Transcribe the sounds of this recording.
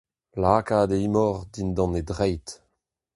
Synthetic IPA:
laːkaːd̪eimɔʁd̪ind̪ɑ̃nedʁɛjt

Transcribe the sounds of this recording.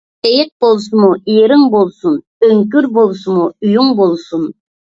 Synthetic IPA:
ejɪq̚bolˠsumuijeɾɪŋbolˠsun | øŋkʲyɾbolˠsumuyjuŋbolˠsun

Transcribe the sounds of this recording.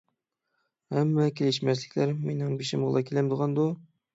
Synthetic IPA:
hɛmːɛkʲʰelɪʃmɛslɪkʲʰlæɾmenɪŋbeʃɪmʁəlˠɑkʲʰelæmd̪əʁɑnd̪u

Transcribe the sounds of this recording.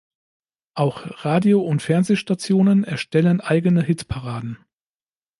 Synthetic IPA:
ʔaʊxʁaːdioʊntfɛɐnzeːʃtat͡sjoːnənɛɐʃtɛlənʔaɪɡənəɦɪtpʰaʁaːdn̩

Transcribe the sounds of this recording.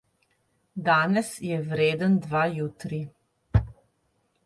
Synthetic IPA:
d̪aːnɛsjɛʋɾeːd̪ənd̪ʋaːjuːt̪ɾi

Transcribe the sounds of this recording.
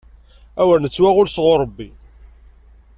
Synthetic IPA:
æwəɾnət͡sːwæʁʊɾsʁʊɾˤəbːi

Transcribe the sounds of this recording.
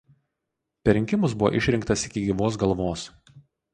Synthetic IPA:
pʲɛɾʲɪŋʲkʲɪmʊsbʊʋo̰ːʔɪʃʲɾʲɪŋkt̪ɐsɪkʲɪɡʲiːʋoːs̬ɡɐlˠʋoːs

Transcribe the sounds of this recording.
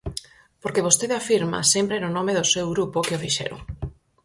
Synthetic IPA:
poɾkeβ̞ost̪eðafiɾma̰sempɾenʊnõmeðʊsewɣɾupokɪofiʃɛ̰ɾʊ̰

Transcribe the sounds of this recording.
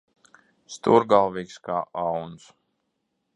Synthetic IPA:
st̪uɾɡalˠviːkskaːʔawns

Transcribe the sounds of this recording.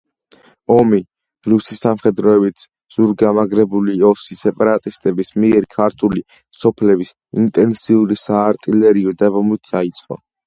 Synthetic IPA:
ɔmi | ɾusisamχɛd̪ɾɔɛbit̪ʰ | z̥uɾɡamaɡɾɛbuliɔsisɛpʼaɾat̪ʼist̪ʼɛbismiɛɾikʰaɾt̪ʰuli | sɔpʰlɛbis | int̪ʼɛnsiuɾisaːɾt̪ʼilɛɾiɔd̪abɔmlit̪ʰd̪ait̪sʼqʼɔ̰

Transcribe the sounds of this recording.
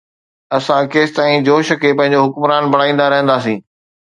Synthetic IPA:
ɐsãkeːst̪aːĩd͡ʑoːʃɐkepɐ̃ɦɪ̃ɲ̆d͡ʑoɦʊkmɾaːnbɐɽaːĩːn̆d̪aɾɐɦə̃nd̪aːsĩː

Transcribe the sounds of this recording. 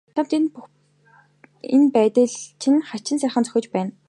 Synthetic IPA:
t̪ʰamt̪enp | enpæːt̪ɘ̆ɮt͡ɕʰɪnχat͡ɕɪ̆nsæːχə̆nt͡sœ̥xʲɪ̆t͡ɕpæːn

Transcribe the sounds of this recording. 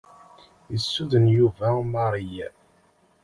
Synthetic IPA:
jəsːuðənjuvæmɑɾˤijæ

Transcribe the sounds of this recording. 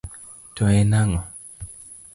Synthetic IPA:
toɛnaŋɔ

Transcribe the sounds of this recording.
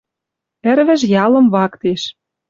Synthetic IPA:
ɘ̆ɾβɘ̆ʒjɑlɤ̆mβɑkt̪eʃ

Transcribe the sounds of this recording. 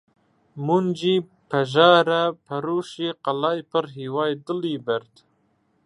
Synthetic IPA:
mund͡ʒipaʒɑːɾapʰaɾuʃiqalɑːjpəɾɦiwɑjd̪əlibaɾd̪

